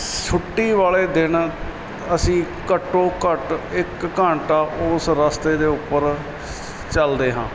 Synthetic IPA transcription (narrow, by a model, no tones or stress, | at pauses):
sʰʊʈːiːʋaːleːd̪ɪn | əsĩː | kəʈːoːkəʈɪkːãːɳʈaːʔʊːsɾəst̪eːd̪eːʊpːəɾ | t͡ʃəld̪eːɦãː